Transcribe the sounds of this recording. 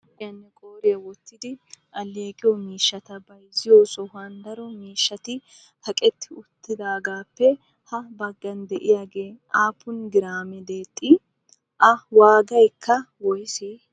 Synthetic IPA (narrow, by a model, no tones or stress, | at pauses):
ɪjɐnːɛkʼoːɾɪɐwɔt̪ːɪd̪ɪʔɐlːeːkʼɪjɔmiːʃːɐt̪ɐbɐjzɪjosɔhand̪ɐɾɔmiːʃːɐt̪ɪ | hɐkʼɛt̪ːɪʊt̪ːɪd̪aːɡaːpːɛ | hɐbɐɡːɐnd̪ɛʔɪjaːɡeː | aːpːʊnɡɪɾaːmɛd̪e̞ːt̪ʼːɪ | ʔɐwaːɡɐjkʰːɐwɔjseː